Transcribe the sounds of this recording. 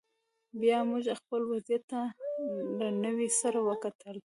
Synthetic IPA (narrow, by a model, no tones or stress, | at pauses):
bjɑmuʒaxpəlwazjat̪ːa | lənəwisaɾawəkat̪əl